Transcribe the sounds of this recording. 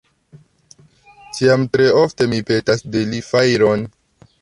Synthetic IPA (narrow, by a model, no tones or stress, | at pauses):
tʰiamtɾe̞ofte̞mipe̞tasdelifajɾon